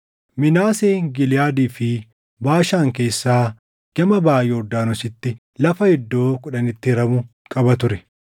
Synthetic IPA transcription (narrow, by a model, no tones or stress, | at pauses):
mɪnaːseːŋɡɪlɪjaːd̪iːfɪ | baːʃaːŋke̞ːsːaː | ɡ̥ɐmɐbaːjɛɔd̪ːaːnɔsɪt̪ːɪ | lɐfɐhɛd̪ːo̞ːkʊᶑɐnɪt̪ːɪɾɐmʊ | kʼɐbɐt̪ʊɾɛ